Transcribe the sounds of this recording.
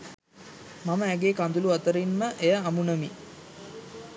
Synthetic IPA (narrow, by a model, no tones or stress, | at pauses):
maməæɡeːkand̪uluat̪əɾinməʔejəamunəmi